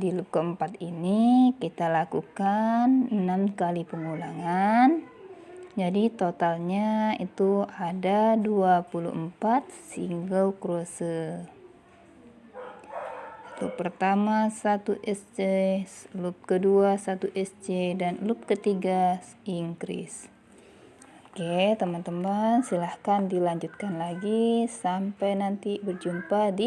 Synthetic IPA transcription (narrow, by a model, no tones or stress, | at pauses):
dilup̚kəəmpat̪inikit̪alakukannamkalipəŋulaŋan | d͡ʒadit̪ot̪alɲaḭt̪uadaduapulṵʔəmpat̪̚siŋɡalkɾosə | it̪upərt̪amasat̪uʔɛsd͡ʒelup̚kəduasat̪uʔɛsd͡ʒedanlup̚kət̪iɡa | iŋɡɾḭs | oket̪əmant̪əmansilahkandilaɲd͡ʒut̪̚kanlaɡisampajnant̪ibərd͡ʒumpadi